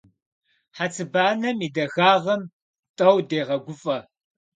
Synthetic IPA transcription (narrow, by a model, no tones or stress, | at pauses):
ħat͡sʰʼɨbaːnɐmiːdɐɣaːʁɐm | tʼɐwdeːʁɐɡʷʊfʼɐ